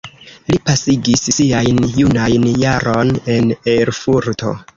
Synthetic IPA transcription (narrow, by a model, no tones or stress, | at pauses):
lipasiɡissiajnjunajnjaɾo̞ne̞neɾfuɾto̞̰